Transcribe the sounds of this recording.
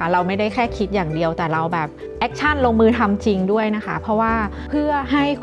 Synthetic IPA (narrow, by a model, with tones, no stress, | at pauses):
a˦˥ɾa˧wma˥˩jda˥˩jkʰɛː˥˩kʰi˦˥t̪̚jaː˨˩ŋdi˧əwt̪ɛː˨˩ɾa˧wbɛː˨˩p̚ | ʔɛː˦˥k̚t͡ɕʰa˥˩nloː˧ŋmɯː˧t̪ʰa˧mt͡ɕi˧ŋdu˥˩əjna˦˥kʰa˦˥pʰɾɔ˦˥waː˥˩ | pʰɯ˥˩ɐɦa˥˩j